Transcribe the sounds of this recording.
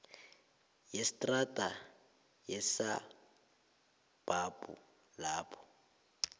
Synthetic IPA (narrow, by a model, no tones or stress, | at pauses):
jestʼratʼa | jesa | b̥apʼṵ | laːpʰʼɔ̥